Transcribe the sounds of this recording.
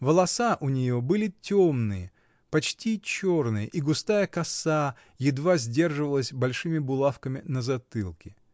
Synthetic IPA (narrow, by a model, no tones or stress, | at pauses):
vəlˠɐsaʔʊnʲɪjo̞bɨlʲɪtʲomnɨjə | pɐt͡ɕtʲit͡ɕornɨjə̰ʔiɡʊst̪ajəkɐsa | jɪd̪vazʲdʲe̞rʐɨvəlˠəsʲbɐlʲʂɨmʲɪbʊlˠafkəmʲɪnəzɐt̪ɨlˠkʲɪ